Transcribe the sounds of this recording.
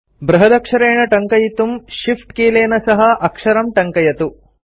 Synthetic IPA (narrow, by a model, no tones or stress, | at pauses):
bɾɐɦɐd̪ɐkʂɐɾeːɳɐʈɐŋkɐjit̪umʃifʈkeːleːnɐsɐɦɐʔɐkʂɐɾɐmʈɐŋkɐjɐt̪u